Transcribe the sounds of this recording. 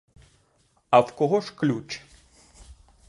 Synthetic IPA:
ɐwkɔɣɔʂklʲut͡ʃ

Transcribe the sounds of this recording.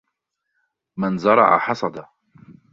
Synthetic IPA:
manzɑɾˤɑ̰ʕa̰ħɑsˤɑd̪a

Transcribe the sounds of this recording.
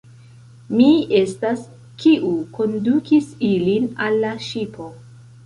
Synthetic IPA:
mie̞stas | kiʔuko̞ndukisilinalːaʃipʰo̞

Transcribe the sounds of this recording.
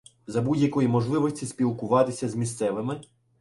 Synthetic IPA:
zɐbudʲjɐkɔjimɔʒlˠɪʋɔsʲtʲispʲilˠkʊʋɑt̪ɪsʲɐzmʲist̪sɛʋɪmɪ

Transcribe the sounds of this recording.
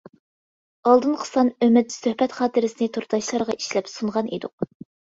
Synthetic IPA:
ɑlˠd̪ɨnqʰə̥sɑnømɪt̪̚søhpɛt̪χɑːt̪ʰɨɾɪsɪnɪt̪ʰuɾt̪ʰɑʃlˠɑɾʁɑiʃlɛpsunʁɑnḭd̪ʊq̚

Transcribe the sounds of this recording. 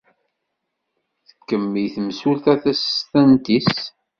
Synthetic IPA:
θə̥kːəmːijθəmsulθæθæst̪ænt̪is

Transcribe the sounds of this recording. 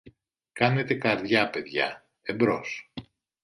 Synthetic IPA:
kɐne̞t̪e̞kɐɾðʝɐpe̞ðʝɐ̰ | embɾos

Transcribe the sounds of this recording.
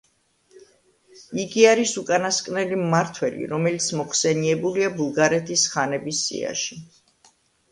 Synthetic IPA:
iɡiaɾisukʼanaskʼnɛlimːaɾt̪ʰwɛlḭɾɔmɛlit̪sʰmɔχsɛniɛbuliabulˠɡaɾɛt̪ʰisχanɛbisːḭa̰ʃi

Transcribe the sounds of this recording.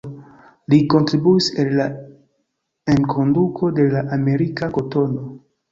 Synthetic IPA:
liko̞ntɾibuiselːa | e̞nkʰo̞ndukʰo̞de̞laʔame̞ɾikako̞to̞no̞

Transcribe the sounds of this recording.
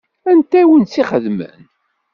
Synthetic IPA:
ænt̪æwənt͡sːiχəðmə̰n

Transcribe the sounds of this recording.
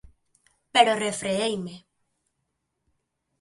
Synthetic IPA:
peɾorefɾeejme

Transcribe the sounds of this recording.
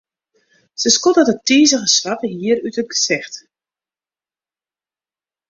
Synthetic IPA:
səskotətətiːzəɣəsʋatəɦiːəɾytət̚ɡəsɛxt

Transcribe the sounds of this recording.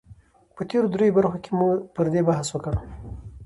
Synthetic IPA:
pət̪eɾod̪ɾojobaɾxokemupəɾd̪ebaɦaswəkaɽu

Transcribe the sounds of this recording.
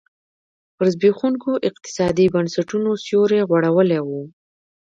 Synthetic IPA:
pəɾzbexuŋkoʔɪq̚t̪ɪ̥sɑd̪ibansaʈunosjoɾeɣwaɽawəlewu

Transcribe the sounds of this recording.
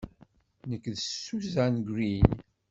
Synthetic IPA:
nəkːðəsːuzænɡɾin

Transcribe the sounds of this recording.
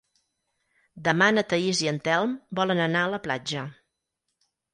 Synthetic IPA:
d̪əmanət̪əiziənt̪ɛlˠmbɔlənənaələplad͡ʒə

